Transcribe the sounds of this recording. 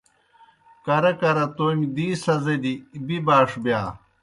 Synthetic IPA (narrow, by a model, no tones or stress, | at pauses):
kɐɾɐkɐɾɐt̪onʲd̪iːsɐzɐd̪ibibaːʂbjaː